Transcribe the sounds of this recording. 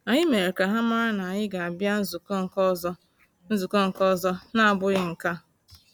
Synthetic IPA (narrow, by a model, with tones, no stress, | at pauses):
a˨ɲɪ˦me˨ɾe˨ka˨ɦa˦ma˦na˨ɲɪ˦ɡa˨a˨bja˦zu˨kŋ˨˦ | n̩˦zu˨ko˦ŋ̩˨kɔ˦zɔ˦na˦a˨bʊ˦ɣɪ˦ŋ̩˨ka˦